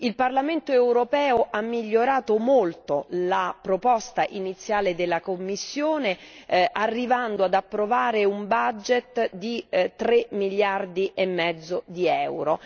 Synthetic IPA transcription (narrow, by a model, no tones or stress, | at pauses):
ilparlament̪oewɾopɛːoʔamːiʎːoɾaːt̪omolt̪olapɾopɔst̪aʔinit̪sːjaːled̪elːakomːisːjoːneʔarːivand̪oad̪apːɾovaːɾeumbad͡ʒet̪d̪it̪ɾemːilːard̪iʔemːɛd̪zːod̪iɛwɾo